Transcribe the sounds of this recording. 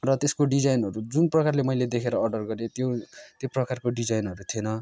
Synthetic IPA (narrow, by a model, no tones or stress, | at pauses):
rʌt̪eskoɖid͡zajnʌɾud͡zunprʌkarlemʌjled̪ekʰeɾʌːrɖʌrɡʌɾet̪jot̪joprʌkarkoɖid͡zajnʌɾut̪ʰienʌ